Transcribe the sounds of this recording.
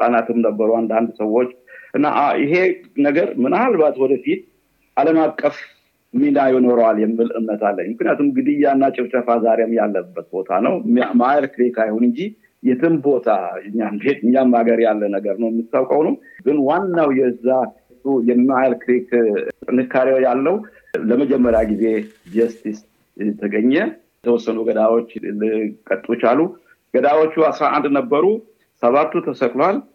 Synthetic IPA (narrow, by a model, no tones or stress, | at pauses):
sʼanat̪ʰɨmnəbːəɾuand̪and̪səwːo̞t͡ʃːʔɨnːa̰ʔaɪɦe̞nəɡəɾmɨnaβlbat̪wɔd̪əfit̪̚ | ʔaləmakʼːəf | minajɛno̞ɾəwaljɛmːɨlɨ̰mnət̪ʰalːəɲːmɨknijat̪ʰumɡɨd̪ɨjanːat͡ʃʼɪft͡ʃʼəfazaɾemjalːəbːət̪̚bo̞t̪ʰa̰nəwmaajlkɾekajhonɨɲd͡ʒi | jɛt̪ʰɨmbo̞t̪ʰaɨɲːambet̪ɨɲːamaɡəɾjalːənəɡəɾnəwjɛmːitt̪sawkʼəwnumɡɨnwanːawjɛɨzːa | t̪ujɛmːajlkɨɾekt̪ʼɨnɨkːaɾewjalːəwu | ləməd͡ʒɛmːəɾjaɡize̞d͡ʒɛst̪is | t̪ʰəɡəɲːɛjɛt̪ʰəwɔsːənuɡəd̪awot͡ʃːlɨkʼət̪ʼut͡ʃalu | ɡ̥əd̪awot͡ʃːuasɾaʔa̰nd̪nəbːəɾu | səβat̪ːut̪ʰəsəkʼlal